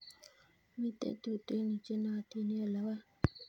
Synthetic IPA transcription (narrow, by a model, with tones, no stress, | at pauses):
mi˦t̪ḛ˦˨t̪u˨t̪e˦ni˨t͡ʃe˦na˦a˨t̪i˦ni˦a˨la˨wa˦